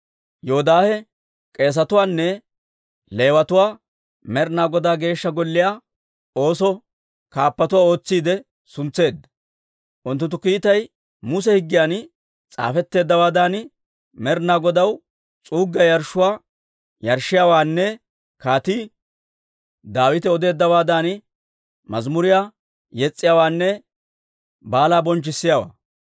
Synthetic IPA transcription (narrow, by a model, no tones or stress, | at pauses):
joɔd̪aːhɛ | kʼe̞ːs̬ɐt̪ʊwaːnːɛ | le̞ːwɐt̪ʊwaː | mɛɾnaːɡɔd̪aːɡe̞ːʃːɐɡɔlːɪjaː | o̞ːsɔ | kaːpːɐt̪ʊwaːo̞ːt͡sːiːd̪ɛ | sʊnt͡sːe̞ːd̪ːɐ̥ | ʔʊnt̪̬ːʊnt̪ːʊkiːt̪ɐj | mʊs̬ɛhɪɡːɪjaːn | t͡sʼa̰ːfɛt̪ːe̞ːd̪ːɐwaːd̪an | mɛɾnaːɡɔd̪ɐw | t͡sʼuːɡːɐjɐɾʃʊwaː | jɐɾʃːɪjaːwaːnːɛ | kaːt̪i | d̪aːwɪt̪ɛɔd̪e̞ːd̪ːɐwaːd̪an | mɐzmʊɾɪjaː | jɛt͡sʼːɪjaːwaːnːɛ | baːlaːbɔnt͡ʃːɪsːɪjawa̰ː